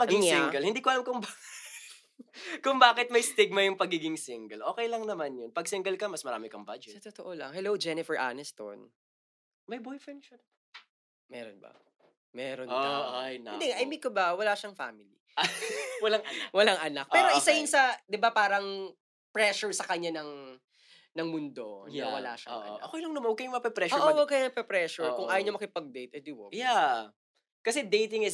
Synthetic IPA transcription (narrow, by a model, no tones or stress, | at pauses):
mɐɡɪŋsiŋɡɛlhɪnd̪iːkoʔɐlamkʊŋba | kʊŋbaːkɪt̪̚mɐjst̪ɪɡ̚mɐjʊŋpɐɡiːɡɪŋsɪŋɡɛlʔoːkɛjlɐŋnɐmanjonpɐɡ̚sɪŋɡɛlkɐmɐsmɐɾaːmɪkɐŋba̰d͡ʒɛsɐt̪ot̪oʔolɐ̰ŋhɛlowd͡ʒɛnɪfɛɹʔa̰nɛst̪o̰n | mɐjbojfɹɛnd̪ʃɐn | mɛːɾonbɐ̰ | mɛːɾonajnɐɪnd̪ɛʔɐjmikobɐwɐlaːʃɐŋfa̰ːmɪlḭ | wɐlaŋwɐlaŋʔɐnak̚ʔpɛːɾoʔɪsajʊnsɐd̪ɪbapaːɾɐŋ | pɹɛʃʊɹsɐkɐɲanɐŋ | nɐŋmʊnd̪o̞nawɐ̰la̰ʃɐ̰ɐ̰ɲ̰ʔɐkoʔɪlɐŋnɐmanwɐɡkɐjʊŋmɐɐpɛpɾɛʃʔowɐɡ̚kɐjaŋɐpɛpɹɛːʃʊɹkʊŋʔaːjoɲɐmɐkɪpɐɡ̚d̪ejt̪̚ʔɛd̪ɪwoja | kɐsɛd̪ejt̪ɪŋɪs